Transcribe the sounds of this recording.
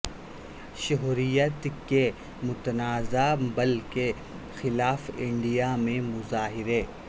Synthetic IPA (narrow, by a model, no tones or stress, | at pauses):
ʃʊɦɾijət̪ke | mʊt̪ənaːzabɐlke | xɪlaːfɪ̃ɳɖijamẽmʊzaːɦɪɾeː